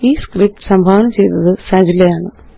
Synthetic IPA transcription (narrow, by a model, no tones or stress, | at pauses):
iːskrip̚ʈsɐmbʱaːʋɐɳɐmt͡ɕejt̪ɐðɨsɐd͡ʑilejaːɳɨ